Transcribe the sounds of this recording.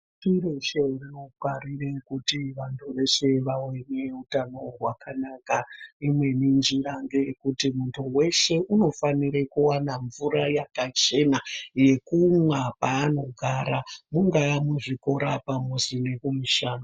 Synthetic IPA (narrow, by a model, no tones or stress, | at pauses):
tireʃeriokwarirekutiʋantʰuʋe̞ʃe̞ʋaweneutano̞rwakʰanakaimwe̞nind͡ʒiɾaŋɡekutimuntʰuwe̞ʃe̞ʔuno̞faniɾekuwanaɱvuɾajakat͡ʃe̞naje̞kumwapaːno̞ɡʱaɾamuŋɡamuʐikoɾapamuzinekumiʃaːno